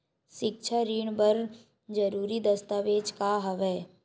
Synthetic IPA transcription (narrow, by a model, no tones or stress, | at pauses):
ʃɪk̚t͡ʃʰəɾiːɳbəɾ | d͡ʒɐɾuːɾid̪ɐst̪aʋeːd͡ʒkaɦɐʋɛː